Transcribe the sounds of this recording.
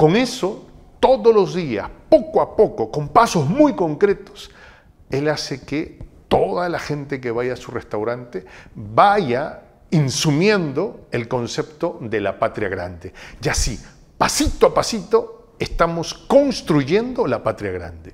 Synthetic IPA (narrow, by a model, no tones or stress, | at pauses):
ko̞ŋe̞so̞ | t̪o̞ðolo̞zðia̰spo̞koapo̞koko̞mpaso̞zmujko̞ŋkɾe̞t̪os | e̞laseket̪o̞ðalaxe̞nt̪e̞k̬eβajasurest̪awɾant̪ebaʝa | insumje̞nd̪o̞elko̞nse̞pt̪o̞ðelapat̪ɾjaɣɾa̰nd̪ed͡ʒasi | pasit̪oapasit̪o | est̪amosko̞nst̪ɾuʝe̞nd̪olapat̪ɾjaɣɾa̰nd̪e